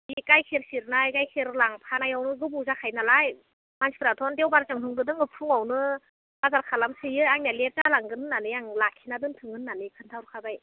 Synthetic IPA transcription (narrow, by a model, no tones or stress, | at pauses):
ikajkʰiɾsiɾnajkajkʰeɾlaŋpʰanajawnɯɡɯbuzakʰajnalaj | mansi̥pʰɯɾatʰɔndewbaɾt͡ʃɯŋtʰɯŋɡɯdɯŋɯpʰuŋawnɯ | azaɾkʰalamsɯjɯaŋnalep̚zalaŋɡɯnɯnːanɯjaŋlakʰːinadɯŋtʰɯŋɯnːanɯkʰɯntʰaɾkʰabaj